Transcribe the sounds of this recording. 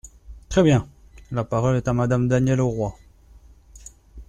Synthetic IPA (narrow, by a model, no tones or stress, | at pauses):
t̪χɛbjɛ̃lapaʁɔlɛt̪amad̪amd̪anjɛloʁwa